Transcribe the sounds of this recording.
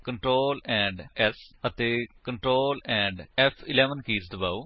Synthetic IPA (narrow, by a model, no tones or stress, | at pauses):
kəɳʈɾoːlɛ̃ːɳɖɛsət̪eːkəɳʈɾoːlɛ̃ːɳɖɛpʰɪlɛːʋənkiːzd̪əbaːu